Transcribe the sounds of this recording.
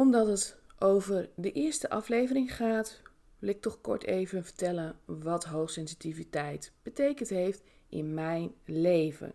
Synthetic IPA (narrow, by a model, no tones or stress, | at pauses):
ɔmdɑtɦətʔowvəɹdəʔɪːɹstəʔɑflejvəɾɪŋχaːt | ʋɪlɪk̚tɔχkɔ̰ɹtejvənvəɹtɛlənʋɑtɦowχsɛnsitivitɛjtb̥ətejkəntɦejftʔɪ̰nmɛjnlejvə̰n